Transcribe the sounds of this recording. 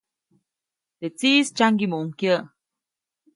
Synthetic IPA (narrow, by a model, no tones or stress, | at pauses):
t̪et͡sist͡ʃaŋɡimuʔuŋkjə